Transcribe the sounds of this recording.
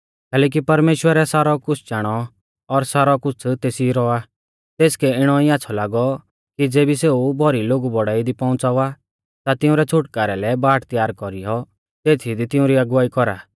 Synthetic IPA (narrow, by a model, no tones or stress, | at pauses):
kɛːlɛːk̬ipɐɾmeːʃwəɾɛsaːɾɔkʊt͡sʰt͡ʃaːɽ̃ɔ | ɔɾsaːɾɔkʊt͡sʰt̪eːsiɾɔa | t̪eːskɛɪɽ̃ɔiaːt͡sʰɔlaːɡɔ | kid͡zeːbiseːubʱɔɾiloːɡubɔɽaːid̪ipɔ̃ʊ̃t͡saʋa | t̪at̪ɪʊ̃ɾɛt͡sʰʊʈkaːɾɛlɛbaːʈt̪jaːɾkɔɾijɔ | t̪eːt̪ʰid̪it̪ɪʊ̃ɾiɐɡʊʋaːikɔɾa̰ː